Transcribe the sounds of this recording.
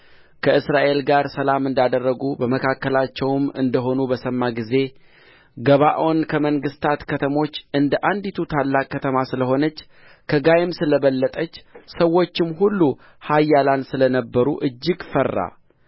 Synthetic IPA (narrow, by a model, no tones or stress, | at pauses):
kʰəʔɨsɾaʔe̞lɡaɾsəlamɨnd̪ad̪ərːəɡubəməkʰakːəlat͡ʃːɛwmɨ̰nd̪əɦo̞nubəsəmːaɡize̞ | ɡəβaʔo̞nkʰəməŋɡɨst̪ʰat̪kʰət̪ʰəmo̞t͡ʃːɨnd̪əʔand̪it̪ʰut̪ʰalːakʼːət̪ʰəmasɨləɦo̞nət͡ʃː | kʰəɡajɪmsɨləβəlːət̪ʼət͡ʃːsəwo̞t͡ʃːɪmhulːu | hajːalansɨlənəbːəɾṵʔɨd͡ʒːɪɡfərːa̰